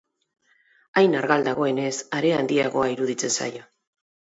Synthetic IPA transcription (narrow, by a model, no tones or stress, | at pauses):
ajnaɾɣald̪aɣ̞o̞e̞ne̞saɾe̞and̪iaɣo̞aiɾuðit͡se̞nsa̰jo